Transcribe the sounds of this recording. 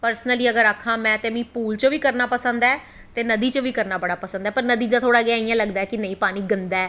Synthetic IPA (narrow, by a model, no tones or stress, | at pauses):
pəɾsnəliəɡəɾakʰːãːmɛ̃ːt̪eːmĩːpuːlt͡ʃəʋiːkəɾnaːpəsənd̪aɛː | t̪eːnəd̪iːt͡ʃəʋiːkəɾnaːbəɽaːpəsə̃nd̪aːpəɾnəd̪iːd̪aːt̪ʰoːɽaːɡɪaːijãːləɡd̪aːɛːkɪnə̃ĩːpaːniːɡənd̪aːɛː